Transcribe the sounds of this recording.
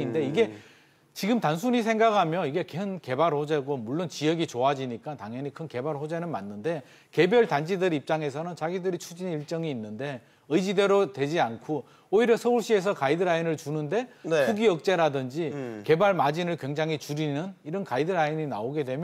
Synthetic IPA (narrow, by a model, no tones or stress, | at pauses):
inde̞iɡe̞ | t͡ɕiɡɯmtans̬ʰuɲisʰeŋɡakhamjʌiɡe̞kenke̞baɾhod͡ʑe̞ɡomuɭːont͡ɕijʌɡit͡ɕoad͡ʑiɲik͈ataŋjʌnikʰɯnke̞baɭɸod͡ʑenɯnmanːɯnde̞ | ke̞bjʌɭtand͡ʑidɯɾip̚t͡ɕ͈aŋe̞s̬ʰʌnɯnt͡ɕaɡidɯɾit͡ɕʰud͡ʑiniɭt͡ɕ͈ʌŋiːnːɯnde̞ | ɯjd͡ʑide̞ɾotwe̞d͡ʑiankʰo | oiɾjʌsʰʌuɭɕ͈ie̞s̬ʰʌkaidɯɾainɯɭt͡ɕunɯnde̞nsʰuɡiʌk̚t͡ɕ͈e̞ɾadɯnd͡ʑike̞baɭmad͡ʑinɯɭkwe̞ŋd͡ʑaŋɦit͡ɕuɾinɯniɾʌnkaidɯɾaiɲina̰oɡe̞dwe̞mj